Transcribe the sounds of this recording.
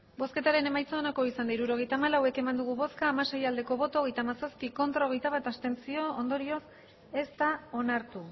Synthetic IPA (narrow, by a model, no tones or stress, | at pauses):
bo̞ske̞t̪aɾe̞ne̞majt͡saːnako̞isand̪aiɾuɾo̞ɣ̞e̞jt̪aːmalawe̞ke̞mand̪uɣ̞uβo̞skaːmase̞jald̪e̞ko̞βo̞t̪oɣ̞e̞jt̪aːmasaspiko̞nt̪ɾaoɣ̞e̞jt̪aβat̪ast̪e̞nsio̞ond̪o̞ɾio̞s | e̞st̪ao̞naɾt̪u